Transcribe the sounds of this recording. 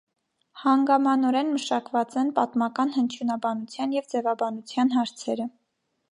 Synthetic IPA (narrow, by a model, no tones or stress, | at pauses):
hɑŋɡɑmɑnɔɾɛnməʃɑkvɑt͡sɛnpɑt̪mɑkɑnhənt͡ʃʰjunɑbɑnut͡sʰjɑnjɛvd͡zɛvɑbɑnut͡sʰjɑnɦɑɾt͡sʰɛɾə